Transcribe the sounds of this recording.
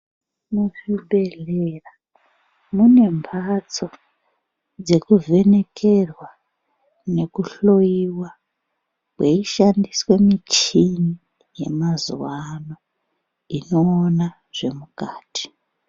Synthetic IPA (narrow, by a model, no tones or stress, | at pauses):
muʐibʱe̞ɮera | mune̞mpʰat͡so̞ | d͡ze̞kuve̞ne̞kʰerwa | ne̞kuɬo̞jiwa | kweiʃandiswe̞mit͡ʃini | je̞̰mazṵwano̞ | ino̞ːna | ʐ̥e̞mukaːti̥